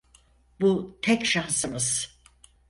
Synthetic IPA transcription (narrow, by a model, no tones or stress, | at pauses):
but̪ʰɛcʃansɯmɯz̥